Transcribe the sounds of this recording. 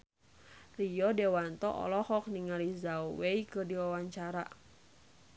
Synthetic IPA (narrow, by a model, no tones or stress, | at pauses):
rijɔdɛwant̪ɔʔɔ̰lɔhɔk̚niŋalizauweikɨrdiwawaɲt͡ʃaɾa̰